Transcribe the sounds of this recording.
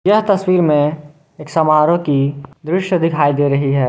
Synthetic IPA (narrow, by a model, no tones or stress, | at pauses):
jɐɦt̪ɐswiːɾmẽ | eːksɐmaːɾokid̪ɾɪʃjəd̪ɪkʰaːid̪eːɾɐɦiɦɛː